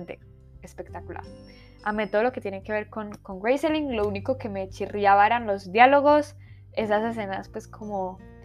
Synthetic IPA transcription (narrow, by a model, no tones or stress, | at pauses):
nt̪ḛ | espe̞k̚t̪akula̰ɾ | amet̪oðolo̞ket̪je̞neke̞βe̞ɾko̞nko̞ŋɡɾejseliŋlo̞uniko̞ke̞me̞t͡ʃirjaβae̞ɾanlo̞zd̪jalo̞ɣo̞s | e̞sase̞s̬e̞naspwe̞skʰo̞mo